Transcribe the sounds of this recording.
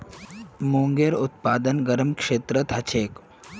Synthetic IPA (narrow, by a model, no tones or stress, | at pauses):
moːŋɡeɾut̪paːd̪ənɡɐɾəmkʂeːt̪ɾət̪ɦɐt͡ʃʰeːk